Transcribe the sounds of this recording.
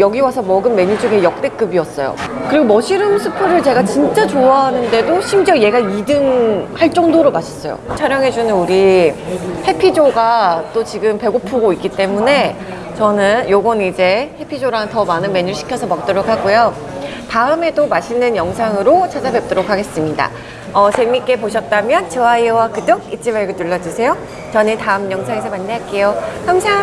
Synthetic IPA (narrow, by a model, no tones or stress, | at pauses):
jʌɡiwasʰʌmʌɡɯnme̞ɲud͡ʑoɡejʌk̚t͈e̞k͈ɯbiʌs͈ʌ̰jo̰kɯɾiɡomʌɕʰiɾɯmsʰɯpʰɯɾɯɭt͡ɕe̞ɡat͡ɕint͡ɕ͈at͡ɕoaɦanɯnde̞doɕʰimd͡ʑʌje̞ɡaidɯŋhaɭt͡ɕ͈ʌŋdoɾomaɕʰi̥s͈ʌjo̰t͡ɕʰaɾjʌŋɦe̞d͡ʑunɯnuɾi | he̞pʰid͡ʑoɡat͈ot͡ɕiɡɯmpe̞ɡopʰoɡoik͈ːit͈e̞mune̞ | t͡ɕʌnɯnjoɡʌnid͡ʑe̞he̞pʰid͡ʑoɾaŋtʌmanɯnme̞ɲuɭɕʰi̥kʰjʌsʰʌmʌk̚t͈ʌɾokʰaɡojo | taɯme̞domaɕʰinɯnjʌŋsʰaŋɯɾot͡ɕʰad͡ʑabe̞p̚t͈oɾokʰaɡe̞s͈ɯmɲida̰ | ʌt͡ɕemik͈e̞poɕʰʌt̚t͈amjʌnt͡ɕɯaiwakɯdoɡit͡ɕ͈imaɭɡɯtuɭːʌd͡ʑisʰe̞jo | t͡ɕʌnetaɯmjʌŋsʰaŋesʰʌmanːeɦak͈e̞johamsʰa